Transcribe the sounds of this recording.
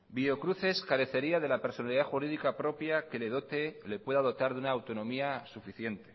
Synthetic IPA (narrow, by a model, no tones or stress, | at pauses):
bio̞kɾuθe̞skaɾe̞θe̞ɾiað̞e̞lape̞ɾso̞naliðaxuɾiðikapɾo̞pjake̞leðot̪ele̞pwe̞ðaðo̞t̪aɾðunaːwt̪o̞nõ̞miasufiθje̞nt̪e̞̥